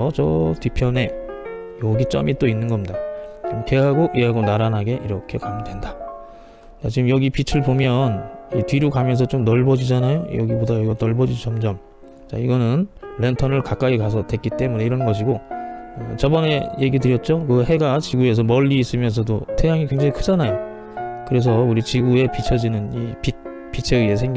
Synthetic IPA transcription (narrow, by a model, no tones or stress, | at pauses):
ʌt͡ɕʌtipʰjʌne̞ | jʌɡit͡ɕ͈ʌ̰mit͈oinːɯnɡʌmɲidat͡ɕomkeɦaɡoʔiɦaɡonaɾanɦaɡe̞ʔiɾʌkʰe̞kamdwe̞nda | t͡ɕat͡ɕiɡmjʌɡipit͡ɕʰɯɭbomjʌnitɥiɾokamjʌns̬ʰʌt͡ɕomnʌɭbʌd͡ʑid͡ʑanajojʌɡibodajʌɡʌnʌɭbʌd͡ʑit͡ɕʌmd͡ʑʌm | t͡ɕa̰iɡʌnɯnle̞ntʰʌnɯɭkak͈aikas̬ʰʌdwe̞k͈it͈e̞mune̞iɾʌnɡʌɕʰiɡoʌt͡ɕʌbʌne̞je̞ɡidɯɾjʌt̚t͡ɕ͈okɯhe̞ɡat͡ɕiɡue̞s̬ʰʌmʌʎːiːs͈ɯmjʌns̬ʰʌdotʰe̞jaŋikwe̞ŋd͡ʑaŋikʰɯd͡ʑanajo | kɯɾe̞s̬ʰʌuɾit͡ɕiɡue̞pit͡ɕʰʌd͡ʑinɯnipit̚ | p͈it͡ɕʰeɯe̞sʰe̞ŋɡ